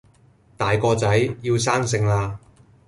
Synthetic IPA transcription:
t̪aː˨jkɔː˧t͡sɐ˨˥jjiː˧ws̬aː˥ŋs̬ɪ˧ŋlaː˧

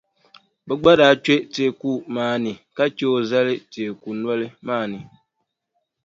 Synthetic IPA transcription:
bɛ˨ɡ͡ba˦ɾa˨t͡ʃe˦te˨˦˨ku˦maː˦˨nɨ˨ka˦t͡ʃe˦o˦za˦lɪ˦teː˨ku˨nɔ˦lɪ˦maː˦˨nɨ˨

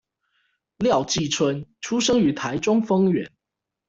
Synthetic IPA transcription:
ljɑ˥˨ʊt͡ɕi˥˨t͡sʰwə˦nʈ͡ʂʰu˥ʂɤ˥ŋy˨˥t̪ʰa˨˦ɪʈ͡ʂʊ˥ŋfɤ˥ŋɥɛ˨˧˦n

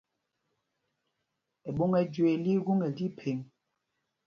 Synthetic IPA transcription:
e˨ɓo˦ŋɛ˦d͡ʒwe˨li˦ɣu˦ŋɛ˨li˦pʰe˨ŋ

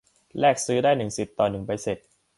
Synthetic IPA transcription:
lɛː˥˩k̚sɯː˦˥daː˥˩jnɯ˨˩ŋsi˨˩t̪ːɔː˨˩nɯ˨˩ŋpa˧jse˨˩t̪̚

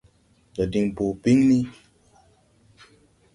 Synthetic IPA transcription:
d͡ʒɔ˨di˨ŋpo˨pi˦ŋni˦

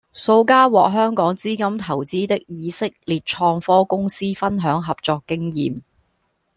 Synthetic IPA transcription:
so˧wkaː˥wɔː˨k̚ɦœː˥ŋkɔː˨˥ŋt͡siː˥kɐ˥mt̪ʰɐ˨˩wt͡siː˥t̪ɪ˥k̚jiː˨˧sɪ˥k̚liː˨t̚t͡ʃʰɔː˧ŋfɔː˥kʊ˥ŋsiː˥fɐ˥nɦœː˨˥ŋɦɐ˨p̚t͡sɔː˧kːɪ˥ŋjiː˨m

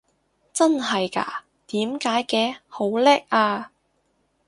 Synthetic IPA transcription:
t͡sɐ˥nɦɐ˨jka̰ː˥ | t̪iː˨˥mkaː˨˥jkɛː˧ho˨˥wlɛ˥k̚ʔaː˧

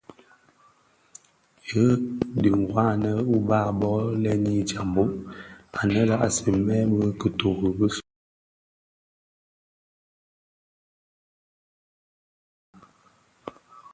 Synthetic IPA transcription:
jə˦di˨ŋ˨ɡwa˦˨nə˦u˦ba˦˨bɔ˦lɛ˦ni˦d͡ʒa˨mbo˦ʔa˨nə˦la˦ʔa˨si˨mɛ˦bə˦kə˨to˨ɣə˨bə˦s

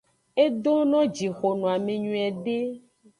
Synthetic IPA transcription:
e˦ɖo˦nɔ̃˦d͡ʒi˨xo˨nũ˨a˨mẽ˨ɲũ˨ɛ˨ɖe˦

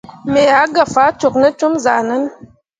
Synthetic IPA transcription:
me˨a˨˦ɡa˨fa˨˦t͡ʃo˨k̚nə˦t͡ʃu˦mza˨nə˦n

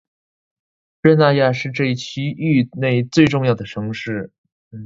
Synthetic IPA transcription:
ɻə˥˧na˥˧ja˥˧ʂɻ̩˥˧ʈ͡ʂɤ˥˧i˥˩t͡ɕʰi˥y˥˧ne˥˩ɪt͡swe˥˧ɪʈ͡ʂʊ˥˧ŋjɑ˥˩ʊd̪ə˩ʈ͡ʂʰɤ˧˥ŋʂɻ̩˥˩˥

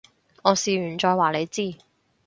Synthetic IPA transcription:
ŋɔː˨˧siː˨ɥyː˨˩nt͡ʃɔː˧jwaː˨˩le˨˧jt͡siː˥˩

